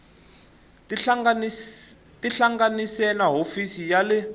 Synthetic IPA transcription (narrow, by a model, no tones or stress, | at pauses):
tʼiɬaŋɡanisɛnaɦofisijalɪ